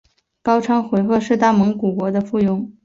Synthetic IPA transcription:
kɑ˥ʊʈ͡ʂʰɑ˥ŋxwe˧˥ɪxɤ˥˧ʂɻ̩˥˧t̪a˥˩mɤ˧˥ŋku˨˩kwɔ˧˥d̪ə˧fu˥˩jʊ˥ŋ

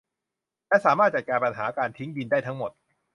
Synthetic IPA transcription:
lɛ˦˥saː˩˦maː˥˩t͡ɕa˨˩t̪̚kaː˧npa˧nɦaː˩˦kaː˧nt̪ʰi˦˥ŋdi˧ndaː˥˩jt̪ʰa˦˥ŋmo˨˩t̪̚

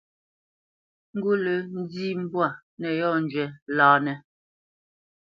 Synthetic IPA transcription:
ŋ̩˦ɡu˦lə˨˦n̩˦diː˦m̩˦bwa˨ | nɛ˨jɔ˦n̩˨d͡ʒɥɛ˨laː˨nɛ˨

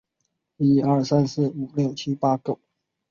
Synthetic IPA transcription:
i˥ə˞˥˩sa˦˥ns̩˥˩u˨˩ljo˥˨˩ʊt͡ɕʰi˥pa˥kjo˥˩ʊ

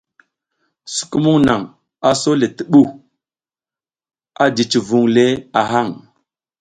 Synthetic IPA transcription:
su̥˨ku˦mu˦ŋna˨ŋ | a˨so˦le˨ti˨ɓu˦˨ | a˦di˨t͡ʃi˨vu˨ŋle˦a˨ɦa˦˨ŋ

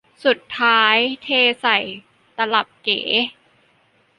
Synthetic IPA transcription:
su˨˩t̪ʰːaː˦˥jt̪ʰeː˧sa˨˩j | t̪a˧la˨˩p̚kḛː˩˦

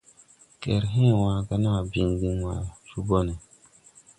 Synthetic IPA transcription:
kɛ˨ɾɦẽ˦˨wa˨ɡa˦na˦˨bi˦ŋɡi˦ŋwa˨su˦bo˦nɛ˨

